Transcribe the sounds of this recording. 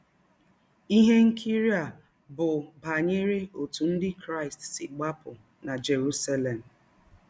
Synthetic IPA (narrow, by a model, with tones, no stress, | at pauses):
i˦ɦe˦ŋ̩˦kʰi˦ɾi˦a˨ | bʊ˨ba˨ɲe˦ɾe˦o˨tu˨n̩˦dɪ˦kɾa˦˨ɪ˨stsɪ˨ɡ͡ba˦pʊ˨ | na˨d͡ʒe˨ɾu˦sa˦le˨m̩˨